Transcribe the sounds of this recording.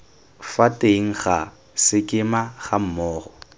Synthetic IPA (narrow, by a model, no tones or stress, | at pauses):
fatʼeiŋ̩χa | sɪkʼɪmaχam̩mɔːχɔ